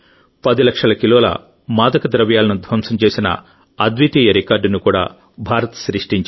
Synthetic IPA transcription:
pɐd̪ilɐkʂɐlɐkilɔːlɐ̰ | maːd̪ɐkɐd̪ɾɐʋjaːlɐnud̪ʱʋɐmsɐmt͡ʃe̞ːsinɐ̰ | ɐd̪ʋit̪iːjɐɾikaːɾɖnukuːɽa̰ː | bʱaːɾɐt̪ɐ̥sɾiʂʈiɲt͡ʃ

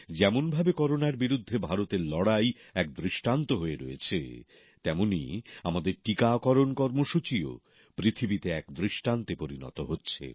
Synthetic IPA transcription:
d͡ʑɛmonbʱabekɔɾonaɾbiɾud̪ʱːebʱaɾot̪eɾlɔɽajɛk̚d̪ɾiʃʈant̪oɦoeɾojet͡ɕʰḛ | t̪ɛmonḭamad̪eɾʈikakɔɾonkɔɾmoʃut͡ɕio̰ | pɾit̪ʰibit̪eɛkd̪ɾiʃʈant̪epoɾinɔ̰t̪oɦotːɕʰḛ

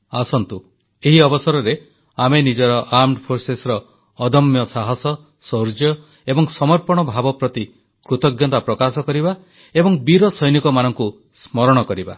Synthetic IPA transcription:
asɔnt̪u | eɦiɔbɔsɔɾɔɾe | amenid͡ʒɔɾɔʔamɖpʰoɾsesɾɔː | d̪ɔmjɔsaɦɔsɔ | soɾd͡ʒjɔ | ebɔŋsɔmɔɾpɔɽ̃ɔbʱabɔpɾɔt̪i | kɾut̪ɔɡjɔt̪apɾɔkasɔkɔɾiba | ebɔŋbiɾɔsɔjnikɔmanɔŋku | smɔɾɔɽ̃ɔkɔɾiba̰

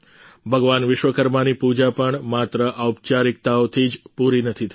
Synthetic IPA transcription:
bʱəɡʋanʋɪʃʋəkəɾmanipud͡ʒapəɳmat̪ɾəʔaupt͡ʃaɾɪk̚t̪aot̪ʰid͡ʒpuɾinət̪ʰit̪ʰ

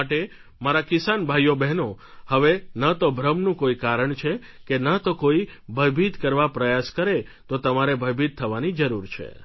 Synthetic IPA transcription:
aʈe | maɾakɪsanbʱajobɛɦno | həʋenat̪obʱɾəmnũkoikaɾəɳt͡ʃʰe | kenat̪okoibʱəjbʱit̪kəɾʋapɾəjaskəɾe | t̪ot̪əmaɾebʱəjbit̪̚t̪ʰːəʋanid͡ʒəɾuɾt͡ʃʰḛ

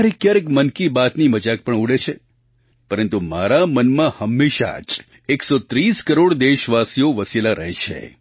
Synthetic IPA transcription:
aɾekjaɾekmənkibat̪niməd͡ʒak̚pəɳuɽet͡ʃʰe | pəɾənt̪umaɾamənmãhəmːeʃa̰d͡ʒ | eksot̪ɾiskəɾoɽd̪eʃʋasijoʋəsilaɾəɦet͡ʃʰḛ

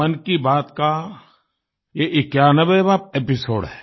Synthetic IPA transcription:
ənkibaːt̪ka | jeʔɪkjaːnəʋebaːp̚epɪsoːɽɦɛː

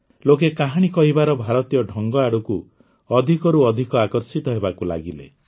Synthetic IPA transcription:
lokekaɦaɽ̃ikɔɦibaɾɔbʱaɾɔt̪ijɔɖʱɔŋɡɔaɽuku | ɔd̪ʱikɔɾuɔd̪ʱikɔakɔɾsit̪ɔɦebakula̰ɡilḛ

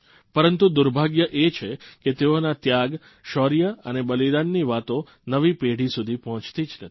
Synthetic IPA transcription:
pəɾənt̪ud̪uɾbʱaɡjəʔet͡ʃʰeket̪eonat̪jaɡ | ʃɔɾijəənebəlid̪anːiʋat̪o | nəʋipeɽisud̪ʱipɔɦɔ̃t͡ʃt̪id͡ʒnət̪ʰi̥

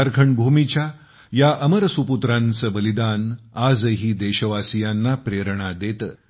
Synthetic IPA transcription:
əɾɡʰʱəɳbʱumit͡ɕja | jaʔəməɾsuput̪ɾãnt͡səbəlid̪anad͡zəɦiːd̪eɕəʋasijanːapɾeɾɳad̪et̪əː

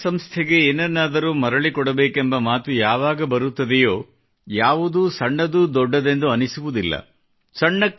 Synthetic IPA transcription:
sɐmst̪ʰeɡe̞eːnɛnːaːd̪ɐɾuːmɐɾɐɭikɔɽɐbeːkembɐmaːt̪ujaːʋaːɡɐbɐɾut̪ːɐd̪ɛjo̞ː | jaːʋud̪uːsɐɳːɐd̪uːd̪ɔɖːɐd̪e̞nd̪uɐnisuʋud̪ilːɐ̰ | sɐɳːɐkː

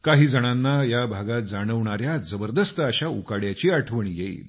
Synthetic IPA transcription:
kaɦiːd͡zəɽ̃anːajabʱaɡat̪̚d͡zaɽ̃əʋɳaɾjad͡zəbəɾd̪əst̪əaɕaukaɽjat͡ɕiːaʈʰʋəɳiːjeḭːl

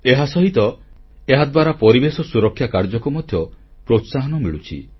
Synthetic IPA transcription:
eɦasɔɦit̪ɔeɦad̪waɾapɔɾibesɔsuɾɔkʰːjakaɾd͡ʒɔkɔmɔd̪ʱjɔpɾot̪saɦɔnɔmiɭut͡ʃʰḭ

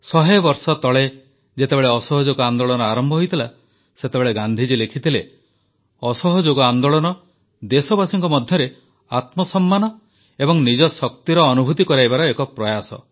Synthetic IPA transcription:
sɔɦebɔɾsɔt̪ɔɭe | d͡ʒet̪ebeɭeɔsɔɦɔd͡ʒoɡɔand̪oɭɔnɔaɾɔmbʱɔɦojt̪ʰila | set̪ebeɭeɡand̪ʱid͡ʒilekʰit̪ʰile | ɔsɔɦɔd͡ʒoɡɔand̪oɭɔnɔ | d̪esɔbasiŋkɔmɔd̪ʱjɔɾe | at̪mɔsɔmːanɔ | ebɔŋnid͡ʒɔsɔkt̪iɾɔːnubʱut̪ikɔɾajbaɾɔekɔpɾɔjasɔ̰

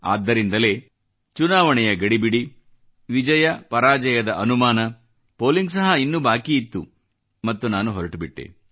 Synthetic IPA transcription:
a̰ːd̪ːɐɾind̪ɐle̞ː | t͡ʃunaːʋɐɳɛjɐɡɐɽibiɽi | ʋid͡ʒɐjɐpɐɾaːd͡ʒɐjɐd̪ɐʔɐnumaːnɐ | po̞ːliŋɡs̬ɐɦɐinːubaːkiːt̪ːu | mɐt̪ːunaːnuɦɔɾɐʈubiʈːḛ

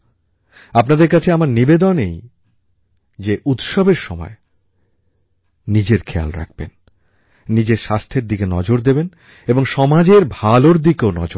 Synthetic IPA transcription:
apnad̪eɾkat͡ɕʰeamaɾnibed̪onej | d͡ʑeʔut̪ʃɔbeɾʃɔmɔ̰e | id͡ʑeɾkʰea̰lɾa̰k̚ʰb̥ḛnː | id͡ʑeɾʃast̪ʰeɾd̪ikenɔd͡ʑoɾd̪eben | eboŋʃɔmad͡ʑeɾbʱaloɾd̪ikeonɔ̰d͡ʑoɾ

